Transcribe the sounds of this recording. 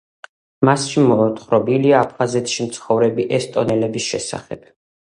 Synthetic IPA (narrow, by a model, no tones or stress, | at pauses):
masʃimɔt̪χɾɔbiliaːpʰχazɛt̪ʰʃimt̪sʰχɔvɾɛbiʔɛst̪ʼɔnɛlɛbisʃɛsa̰χɛ̰b̥̚